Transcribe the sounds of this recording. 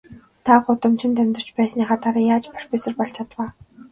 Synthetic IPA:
t̪ʰaɢʊt̪ə̆mt͡ɕɪ̆nt̪æmʲt̪ə̥̆t͡ɕpæːsnaχaːt̪ʰaɾaːjaːt͡ɕpar̥ʲpisɘ̆rpɔɮt͡ɕʰat̪waː

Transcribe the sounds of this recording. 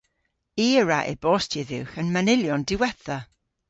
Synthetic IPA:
iɹaʔḛbɔːstʰɪðɪwxənmanɪljɔndɪwɛθa

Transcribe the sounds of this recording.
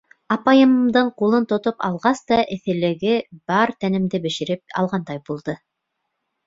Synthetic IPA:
ɑpɑjɤ̆d̪ɤɴqulˠɤnt̪ŏt̪opɑ̰lˠʁɑst̪ɑʔɘ̆θɘ̆lɘ̆ɡɘb̥ɑɾt̪ænɘ̆md̪ɘbɘ̆ʃɘ̆ɾɘp̚ɑ̰lˠʁɑnd̪ɑjbulˠd̪ɤ

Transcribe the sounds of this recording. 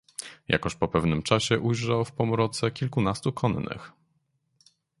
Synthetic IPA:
ja̰kɔɕpɔpɛvnɘmt͡ʂaɕɛʔujʐawfpɔmɾɔt̪sɛkʲilkunast̪ukʰɔnnɘ̰x

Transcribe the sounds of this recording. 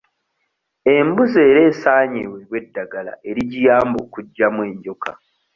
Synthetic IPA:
e̞mbuze̞ːɾe̞ːsaːɲḛwe̞βwe̞dːaɡala̰ʔe̞ɾiɟijaːmboːkuɟːamwe̞ːɲɟo̞ka̰

